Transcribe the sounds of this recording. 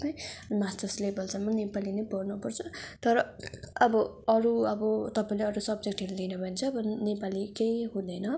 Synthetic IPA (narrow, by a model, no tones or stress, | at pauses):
paĩʌmast̪ʌrslebʌlsʌmːʌnepalinʌjpʌrnupʌrt͡sʰʌt̪ʌɾʌʌbʌʌɾuʌbʌt̪ʌpaĩleʌɾusʌbd͡zek̚ʈɦeɾulinʌbʱʌint͡sʰʌbʌnnepalikejɦũd̪ʌjnʌ